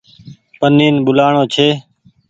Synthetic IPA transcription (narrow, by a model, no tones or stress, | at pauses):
pəniːnɓʊlaːɳoːt͡ʃʰeː